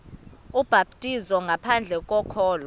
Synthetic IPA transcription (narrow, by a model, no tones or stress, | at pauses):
ub̥ʱab̚tʼizɔŋɡʱapʰand͡ɮʱɛk̬ʼɔkʰɔːlɔ